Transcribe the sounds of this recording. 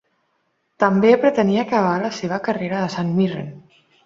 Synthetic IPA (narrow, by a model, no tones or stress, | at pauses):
t̪əmbepɾət̪əniakəβ̞aləseβ̞əkəreɾəðəsanmirḛn